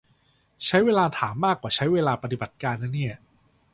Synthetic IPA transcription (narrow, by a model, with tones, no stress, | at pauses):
t͡ɕʰa˦˥jweː˧laː˧t̪ʰaː˩˦mːaː˥˩kːwaː˨˩t͡ɕʰa˦˥jweː˧laː˧pa˧t̪i˨˩ba˨˩t̪̚kaː˧nːaː˦˥ni˥˩ɐ